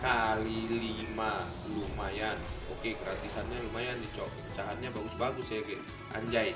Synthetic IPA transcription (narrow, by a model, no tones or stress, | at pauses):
kalilima | lumajanɔkɛɡəɾat̪isanɲalumajandit͡ʃɔ | ut͡ʃaɦanɲabaɡusbaɡusajakɛ | a̰ɲd͡ʒai